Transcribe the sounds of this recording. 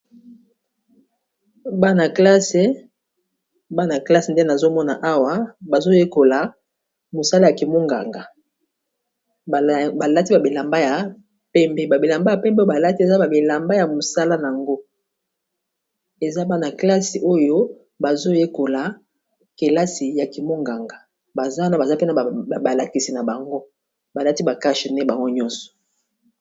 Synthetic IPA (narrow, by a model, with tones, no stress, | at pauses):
ba˦na˨kla˦se˨˦ | ba˦na˨kla˦se˨nde˦na˨zo˦mɔ˦na̰˨ʔa˦wa˦ba˨zo˦je˦ko˨la˨˦ | mo˨sa˦la˦ja˨ki˨mo˦ŋɡa̰˨ŋɡa˨ | ba˨la˦ti˦ba˨bi˨la˨mba˦ja˨ | pɛ˦mbe˦ba˨bi˨la˨mba˦ja˨pɛ˦mbo˦ba˨la˦ti˦e˨za˦ba˨bi˨la˨mba˦ja˨mo˨sa˦la˦n˨a˨ŋɡo˦ | e˨za˦ba˦na˨kla˦si˨ʔo˦jo˦ | ba˨zo˦je˦ko˨la˨ | ke˨la˦si˨ja˨ki˨mo˦ŋɡa˨ŋɡa˨ | ba˨za˦na˦ba˨za˦pe˦na˨ba˨la˨ki˨si˨na˨ba˨ŋɡo˦ | ba˨la˦ti˦ba˨ka˦ʃe˨nɛ˦ba˨ŋɡo˦ɲɔ˦nsɔ̥˨